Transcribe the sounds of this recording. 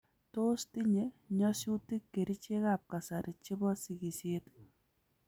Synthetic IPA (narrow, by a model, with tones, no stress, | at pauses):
to˦sti˦ɲe˨ɲɔsu˦ti˦kːe˨ɾi˦t͡ʃe˦ka˨p̚ka˨sa˨ɾi˨t͡ʃi˦bɔ˦si˨ɡi˨se˦t